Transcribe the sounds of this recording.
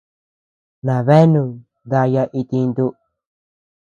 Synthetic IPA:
nã˨βe˦nũ˧˨ | d̪a˧ja˧ʔi˧t̪i˧nd̪u˦

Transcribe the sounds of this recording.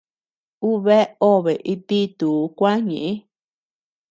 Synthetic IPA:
u˦βe˦o˦βe˨ʔi˧t̪i˦t̪u˨˧˦kʷã˦ɲẽ˨ʔẽ˦

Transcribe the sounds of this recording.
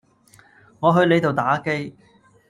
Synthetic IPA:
ŋɔː˨˧ɦɵ˧ɥle˨˧jt̪o˨wt̪aː˨˥ke˥j

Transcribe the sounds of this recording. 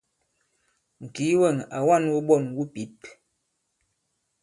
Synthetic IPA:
ŋ̩˨ki˨˦wɛ˦˨ŋa˨wa˦˨nwɔ˦bɔ˦˨nwu˦pi˨˦p

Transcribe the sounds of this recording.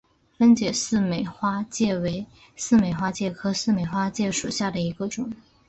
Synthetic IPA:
fə˥nt͡ɕjɛ˨˩sɹ̩˥˩me˨˩ɪxwa˥t͡ɕjɛ˥˩we˧˥ɪ | sɹ̩˥˩me˨˩ɪxwa˥t͡ɕjɛ˥˩kʰɤ˥sɹ̩˥˩me˨˩ɪxwa˥t͡ɕjɛ˥˩ʂu˨˩ɕja˥˩d̪ə˩i˧˥ɡə˧ʈ͡ʂʊ˨˩˦ŋ

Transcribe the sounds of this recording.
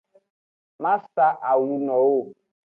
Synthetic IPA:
ma˦sa˦ʔa˨wu˨nɔ˨o˦˨

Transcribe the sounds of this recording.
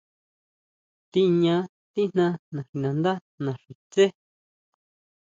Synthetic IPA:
t̪i˧ɲã˧˦ | t̪i˦n̥nã˧nã˨ʂi˨nã˨nd̪a˦ | nã˨ʂi˨t͡se˦

